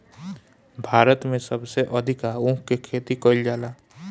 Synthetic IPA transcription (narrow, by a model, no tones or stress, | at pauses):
bʱaːɾət̪mẽsəbseʔəd̪ʱɪkaũːkkekʰeːt̪ikəɪld͡ʒaːlaː